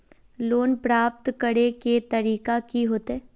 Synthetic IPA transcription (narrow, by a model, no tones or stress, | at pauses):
loːnpɾaːp̚t̪kəɽeket̪ɐɾiːkakiɦoːt̪eɦɛ̃ː